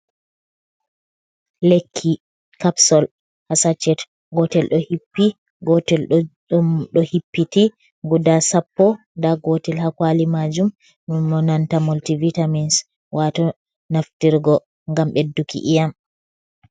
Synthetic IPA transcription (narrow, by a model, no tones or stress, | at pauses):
lekʰːi | kapsɔl | hasat͡ʃːɛt | ɡɔtɛlɗɔhipːi | ɡɔtɛl | ɗɔhipːiti | ɡudasapːɔ | ndaɡɔtɛlhakwalimad͡ʒum | mumɔnantamultivitamins | wʔatɔ | naftiɾɡɔ | ŋɡamɓedːukḭʔijam